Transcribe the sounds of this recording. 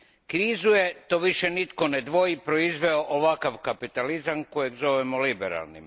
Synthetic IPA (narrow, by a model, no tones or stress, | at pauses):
kɾiːzuje̞t̪oʋiʃenit̪ko̞ned̪ʋo̞ipɾo̞izʋeoʔoʋakaʋkapit̪alizanko̞jeɡzo̞ʋemolibeɾa̰lˠnḭm